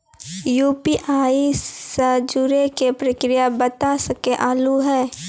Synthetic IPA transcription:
juːpiʔaːisəd͡ʒuɾekepɾəkɾijabət̪asəkeʔaːluɦɛː

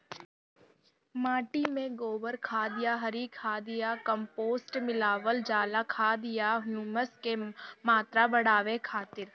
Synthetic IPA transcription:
maːʈimẽɡoːbəɾkʰaːd̪ɪjaɦɐɾikʰaːd̪ɪjakə̃mpoːsʈmɪlaːʋəld͡ʒaːlakʰaːd̪ɪjaɦjuːməskemaːt̪ɾabɐɽaːʋekʰaːt̪ɪɾ

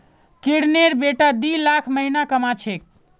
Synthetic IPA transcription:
kiɽneɾbeʈad̪ilakʰməɦinakəmat͡ʃʰek̚

